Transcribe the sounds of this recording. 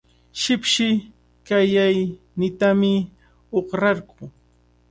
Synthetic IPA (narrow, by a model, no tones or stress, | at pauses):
ʃɪpʃɪ | kajaj | nɪt̪amɪ | oχɾɑɾɢʊ